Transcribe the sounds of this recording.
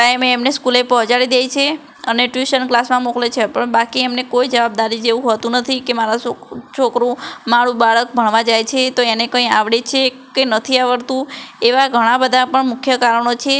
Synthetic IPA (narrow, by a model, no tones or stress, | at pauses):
ʈaemeːmneskulepɔɦt͡ʃaɽid̪ejt͡ʃʰe | əneʈʋiʃənklasmãmoklet͡ʃʰepəɳbakiemnekojd͡ʒəʋab̚d̪aɾid͡ʒeʋũɦət̪ũnət̪ʰikemaɾat͡ʃʰokɾũmaɽũbaɭək̚bʱəɳʋãd͡ʒajt͡ʃʰet̪oenekə̃ĩaʋɽet͡ʃʰe | kenət̪ʰiaʋəɾt̪ũeʋaɡʱəɽ̃ãbəd̪ʱapəɳmʊkʰjəkaɾəɳ̃ot͡ʃʰe